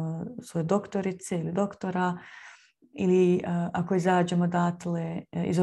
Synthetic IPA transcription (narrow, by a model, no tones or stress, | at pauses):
osʋojed̪o̞kt̪oɾit̪seilid̪o̞kt̪oɾa | iliʔako̞izaːd͡ʒemod̪aːt̪leḭzo